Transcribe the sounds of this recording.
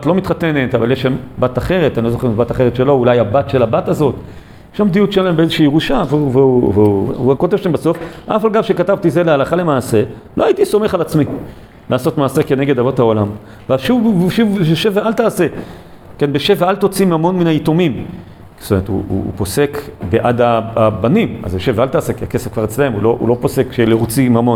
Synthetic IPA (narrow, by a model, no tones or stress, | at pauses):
at̪lo̞mit̪χate̞ne̞tavaljeʃambataχe̞ʁet̪anilozoχeimbataχeʁetʃelo̞ulajabatʃe̞labatazo̞t | jeʃambd̪iutʃelaembeezeʃiːʁuʃaveveuveṵuko̞tevʃambaso̞fʔa̰falɡavʃekatavt̪ize̞lealaχale̞maːse̞ | loaitiso̞me̞χalat͡smi | lʔaːso̞tmaːse̞ke̞ne̞ɡe̞d̪avothao̞lam | veaʃuvʃuveʃevealt̪aːse̞ | kenbeʃevealt̪o̞t͡simhamo̞nminaito̞mim | st̪ome̞etṵṵːpo̞se̞kbeʔad̪aabanima̰zbeʃevealt̪aːse̞kiakesefkvaʁet͡slehemulo̞ʔṵlo̞po̞se̞kʃelet͡simamo̞n